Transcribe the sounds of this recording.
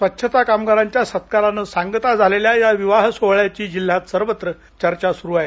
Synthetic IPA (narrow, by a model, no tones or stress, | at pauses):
sʋət̪ːɕʰət̪akamɡaɾaɲt͡ɕjasət̪kaɾanəsaŋɡt̪ad͡zʱaleljajaʋiʋaɦsoʋɭjat͡ɕiːd͡ʑil̤ːat̪səɾʋət̪ɾə | t͡ɕəɾt͡ɕasuɾuːaɦe